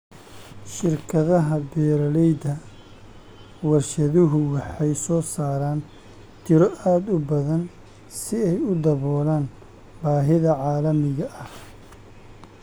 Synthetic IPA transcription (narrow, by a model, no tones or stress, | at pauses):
ʃɪrkʰɐðɐɦɐbɛːɾɐlɛjd̪ɐ | wɐrʃɐðʊɦʊwɑħɑjsɔːsaːɾaːn | t̪ʰɪɾɔʔaːd̪ʊbɐðɐn | sɪɛjʊd̪ɐβɔːlaːn | baːɦɪðɐʕɑːlɐmɪɣɐʔɐh